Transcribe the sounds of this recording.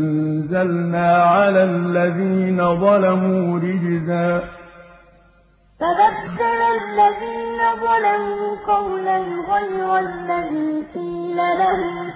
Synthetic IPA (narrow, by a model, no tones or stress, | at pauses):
nzalnaːʕalaːlːaðiːnaðˤɑlamuːɾɪd͡ʒzaː | t̪aðadːɑɾalːaðiːnaðˤɑlamuːqɑwlalɣajɾalːaðiːqiːlalaɦʊm